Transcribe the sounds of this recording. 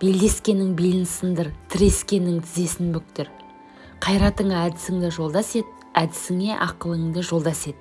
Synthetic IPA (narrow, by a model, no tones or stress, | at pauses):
b̥e̞ld̪e̞skʲe̞nːɪŋbelɪnsɪnd̪əɾt̪ʰɪɾe̞skʲe̞nːɪŋt̪ʰɪze̞sɪnbʏk̚t̪ɪɾ | qʰɑjɾɑt̪əɴɑæd̪ɪsɪŋd̪ɑʒo̞lˠd̪ɑse̞t̪ | æd̪ɪsɪŋe̞ʔɑ̰qəlˠəɴd̪əʒo̞lˠd̪ɑse̞t̪̚